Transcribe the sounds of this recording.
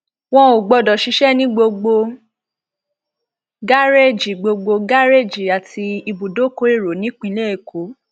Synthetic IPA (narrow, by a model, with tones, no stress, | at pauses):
w̃ɔ̃˧o˨ɡ͡bɔ˧dɔ˨ʃi˨˧˦ʃɛ˦nĩ˦ɡ͡bo˧ɡ͡bo˧ | ɡa˦ɾe˦˨d͡ʒi˨ɡ͡bo˧ɡ͡bo˧ɡa˦ɾe˦˨d͡ʒi˨a˨tʰi˧i˧bu˨do˨˦ko˧˦e˦˨ɾo˨˦nĩ˨˦k͡pĩ˧˦le˦e˦˨ko˨˦